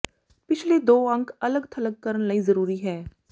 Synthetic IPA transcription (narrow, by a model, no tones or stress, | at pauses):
pɪt͡ʃʰled̪oːɐ̃ŋkʰɐləɡt̪ʰɐləkːɐɾənlɐĩzɐɾuːɾiɦɛː